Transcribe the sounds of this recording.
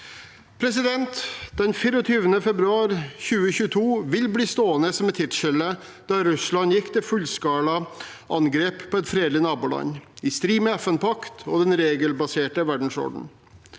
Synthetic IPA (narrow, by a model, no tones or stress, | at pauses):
pʰɾɛs̬ɪd̪ɛnt̪d̪̥ɛnfiːɾɔt̪ʰyːʋənəfɛbɾʉɑːɾçʉːəçʉːət̪ʰuːʋɪlbliːst̪oːənəsɔmɛt̪ʰːɪt̪ʂɛlə | d̪̥ɑːɾʉslɑnjɪkːt̪ʰɪfʉlskɑːlɑ | ʔɑŋɡɾeːppʰːɔːɛt̪fɾeːd̪lɪnɑːbuːlɑ̰nɪst̪ɾiːmɛɛfɛnpʰɑkt̪ʰɔd̪ɛnɾeːɡəlbɑseːʈəʋæɖɳ̩sɔ̰ɖ̩